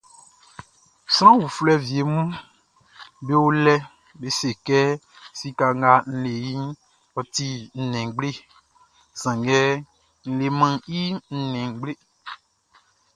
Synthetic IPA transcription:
sɾ̃ã˦wu˨flɛ˦vi˨e˨mũ˦ | be˦wo˦lɛ˦ | be˦se˨kɛ˦ | si˦ka˨ŋ˦ɡa˦n̩˦le˨ji˦ | wɔ˨t̪i˦n̩˦nɛ̃˨ɡ͡ble˦ | z̥ã˨ŋɡɛ˦ | n̩˦le˨mã˦ŋi˦n̩˦nɛ̃˨ŋ˦ɡ͡ble˦

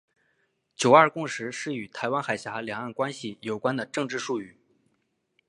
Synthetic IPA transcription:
t͡ɕjo˨˩ʊɐ˞˥˧kʊ˥˧ŋʂɻ̩˧˥ʂɻ̩˥˩y˨˩t̪ʰa˧˥ɪwa˥nxa˨˩ɪɕja˧˥ljɑ˨˩ŋa˥˩nkwa˥nɕi˨˩jo˨˩ʊkwa˥nd̪ə˨ʈ͡ʂɤ˥˧ŋʈ͡ʂɻ̩˥˧ʂu˥˧y˥˩

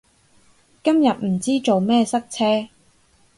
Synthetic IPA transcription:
kɐ˥mjɐ˨t̚m̩˨˩t͡siː˥t͡ʃo˨wmɛː˥sɐ˥k̚t͡sʰɛː˥

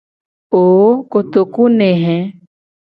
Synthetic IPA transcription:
oː˨kot̪o˨ku˦neɦɛ̃

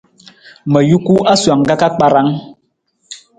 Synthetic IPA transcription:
mɛ˨ju˦ku˦a˦swa˨ŋ˨ɡa˦ka˦k͡pa˨ɾa˦ŋ

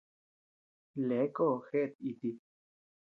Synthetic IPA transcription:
le˨˦ko˦˨xe˦ʔt̪̚i˧t̪i˧

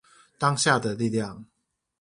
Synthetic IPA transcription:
t̪ɑ˥˦ŋɕja˥˨d̪ə˨li˥˨ljɑ˥˨ŋ

